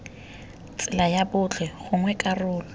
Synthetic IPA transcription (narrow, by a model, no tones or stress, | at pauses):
t͡sʼɪlajabʊt͡ɬʰwɛɣʊŋwɛkʼarʊːlɔ